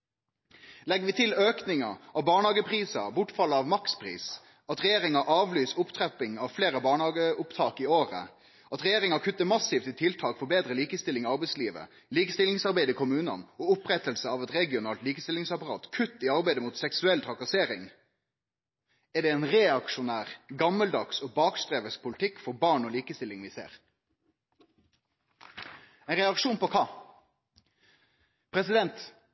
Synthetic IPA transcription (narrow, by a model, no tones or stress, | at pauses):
lɛɡːʋɪt̪ʰɪløːknɪŋɑ̰ɑʋbɑːɳhɑːɡəpʰʁiːsɑ̰bʊʈfɑlːəɑʋmɑkspʰʁḭːs | ɑt̪ʁɛjeːɾɪŋɑʔɑːʋlyːsʊpt̪ʰʁɛpɪŋɑʋfleːʁəbɑːɳhɑːɡəʊpt̪ʰɑːkɪoːʁə̰ | ʔɑt̪ʁɛjeːɾɪŋɑkʰʉt̪ːəmɑsɪːft̪ɪt̪ʰɪlt̪ʰɑːkfɔbeːd̪ɾəliːkəst̪ɪlɪŋɑːɑʁbɛɪsliːʋə̰ | liːkəst̪ɪlɪŋsɑʁbæɪd̪əiːkʰʊmʉːnɑ̰noːʊpʁɛt̪əlsəɑʋɛt̪ɾɛɡɪʊnɑːlt̪liːkəst̪ɪlɪŋsɑpɑʁɑ̰ːt̪kʰʉt̪ːiːɑʁbæɪd̪əmuːt̪sɛksʉɛlt̪ʰʁɑkɑseːɾɪŋ | æɖ̪ɛɛɪnʁɛːɑkʃʊnæːʁɡɑmːəld̪ɑksoːbɑːkst̪ɾeːʋəspʰʊlɪt̪ʰɪkːfɔɾbɑːɳoːliːkəst̪ɪlːɪŋʋisḛːʁ | ɛɪnʁɛɑkʂuːnpɔkʰɑ | pʰɾɛsɪd̪ɛnt̪